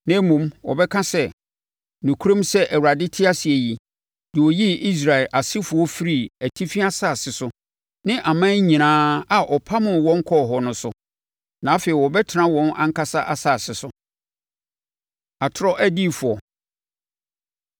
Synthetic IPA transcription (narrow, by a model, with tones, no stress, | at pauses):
nɛ̃˦mũ˨mwɔ̰˨bɛ˦kʰã˦sɛ˦ | nũ˨kʰu˦ɾõ˦msɛ˦ʔæ˨wu˨ɾa˨dɪ˦tʰɪ˦a˦si˨e˨ji˨ | dɪ˨wɔ˨ji˦i˦s̬ɾa˨ɪ˨lʔa˨sɪ˦fʊ˨ɔ˦fi˦ɾi˦˨æ˨tʰi˦fi˦a˦saː˦˨sɪ˨sʊ˦ | nɪ̃˦ʔa˨mã˦ɲĩ˨nãː˦a˨ʔɔ˨pʰa˦mʊ̃˨wɔ̃˦ŋ̩˦kʰɔ˦˨ɦɔ˨nʊ̃˨sʊ˨ | nã˨˦fɛ˨i˨wɔ˨bɛ˦tʰɪ˨nã˦wɔ̃˦nã̰˦ŋ˦kʰa˦sa˦ʔa˨sa˨sɪ˨sʊ˨ | a˨tʰɾɔ˦ʔæ˦di˦˨fʊ˨ɔ˨